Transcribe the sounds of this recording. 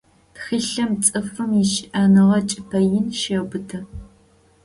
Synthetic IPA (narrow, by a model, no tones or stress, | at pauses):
txiɬɐmt͡sʼɨfɨmɪʃʔaːnɨʁɐt͡ʃʼɪpʰɐjɪnʃɐbɨtʰɐ